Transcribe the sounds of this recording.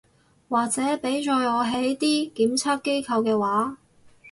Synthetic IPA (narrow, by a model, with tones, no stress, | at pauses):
waː˨k̚t͡sɛː˨˥pe˨˥jt͡ʃɔː˧jɔː˨˧ɦe˨˥jt̪iː˥kiː˨˥mt͡sʰaː˥p̚kːe˥jkʰɐ˧wkɛː˧waː˨˥